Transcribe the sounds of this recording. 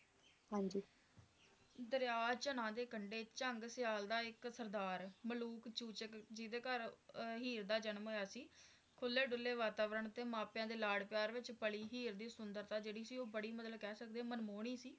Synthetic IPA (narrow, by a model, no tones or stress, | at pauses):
hãːɲd͡ʒiː | d̪əɾjaːt͡ʃənãːd̪eːkəɳɖeːt͡ʃəŋɡsɪjaːld̪aːɪksəɾd̪aːɾməluːkt͡ʃuːt͡ʃəkd͡ʒid̪eːkəɾɦiːɾd̪aːd͡ʒənmɦoːjaːsiː | kʰʊlːeːɖʊlːeːʋaːt̪aːʋəɾəɳt̪eːmaːpjãːd̪eːlaːɽpɪjaːɾʋɪt͡ʃpəliːɦiːɾd̪iːsʊnd̪əɾt̪aːd͡ʒeːɽiːsiːoːbəɽiːmət̪ləbkɛːsək̚d̪eːmənmoːɳ̃iːsiː